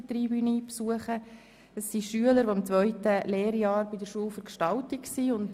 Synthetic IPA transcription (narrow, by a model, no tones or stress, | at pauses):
ət̪riːbyniːpsuəχə | əsːiʃyələɾʋoɪmt͡sʋœʏtəleːɾjɑːɾbidəɾʃuəlfəɾkʃtɑltɪksiʊnt